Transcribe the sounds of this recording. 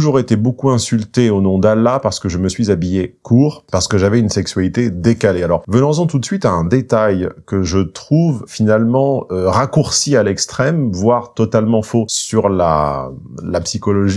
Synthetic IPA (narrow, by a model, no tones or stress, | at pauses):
uʒuʁet̪ebokuɛ̃sylt̪eonɔ̃d̪alːapaʁsə̥kəʒəməsɥizabijekʰuːʁpaʁsə̥kəʒavɛynsɛksɥalit̪ed̪ekalealɔʁvənɑ̃zɑ̃t̪ut̪sɥit̪aɛ̃d̪et̪ajkəʒət̪χuvfinalmɑ̃øʁakuʁsialɛkst̪χɛmvwaʁt̪ɔt̪almɑ̃fosyʁla̰ | lapsikɔlɔʒi